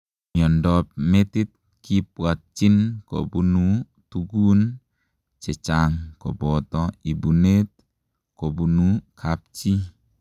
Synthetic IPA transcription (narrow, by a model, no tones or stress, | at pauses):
miɔndɔp̚met̪it̪̚ | kip̚wat̪̚t͡ʃinkɔ̰bunu | t̪uɡun | t͡ʃɛt͡ʃaŋkɔbɔt̪ɔibunet̪̚ | kobunukʰap̚t͡ʃi